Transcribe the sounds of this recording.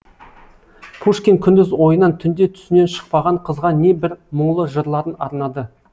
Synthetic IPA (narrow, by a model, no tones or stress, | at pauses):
pʰuʂkʲeŋkʲʰʏnd̪ɪzwo̞jənɑnt̪ʰʏnd̪e̞t̪ʰʏ̥sɪne̞nʃə̥q̚pɑʁɑɴqʰəzʁɑne̞bɪɾməɴlˠəʒəɾlˠɑɾənɑɾnɑd̪ə